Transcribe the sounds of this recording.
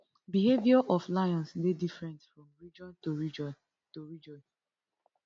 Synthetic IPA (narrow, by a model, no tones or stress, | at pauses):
bihevjɔʔɔflaɪɔ̃nsledifɹɛ̃ntfɹɔ̃mɹid͡ʒɔ̃ntoɹid͡ʒɔn | toɹid͡ʒɔ̃n